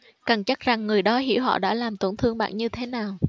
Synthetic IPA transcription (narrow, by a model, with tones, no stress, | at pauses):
kə˨˩ŋt͡ɕa˦˥k̚za˨˩ŋːɨ˨˩əjɗɔ˨˦ɦḭ˧˥wɦɔ̰˧˨ɗa̰ː˧˥laː˨˩mt̪o˧˩nt̪ʰɨ˧əŋɓa̰ː˧˨nɲɨ˧t̪ʰe˨˦naː˨˩w